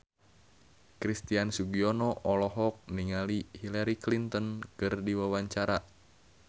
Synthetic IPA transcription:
kɾist̪iansuɡiɔnɔʔɔlɔɦɔk̚niŋalihilaɾiklint̪ɔnkɨrdiwawaɲt͡ʃaɾa

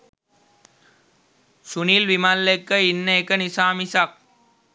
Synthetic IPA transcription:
sunilʋimallekːɐinːekːɐnisaːmisɐk̚

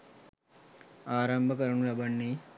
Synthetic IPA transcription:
aːɾɐmbʱɐkɐɾuɳuɾɐbɐɳːi

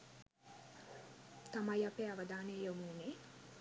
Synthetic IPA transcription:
t̪amajapeːaʋəd̪aːnejomuːne

